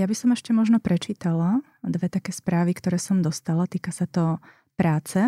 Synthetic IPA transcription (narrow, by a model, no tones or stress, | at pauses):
jabisɔmɛʃcɛmɔʒnɔpɾɛt͡ʃiːt̪ala | d̪ʋɛt̪akɛːspɾaːʋikt̪ɔɾɛːsɔmd̪ɔst̪alat̪iːkasat̪ɔ | pɾaːt͡sɛ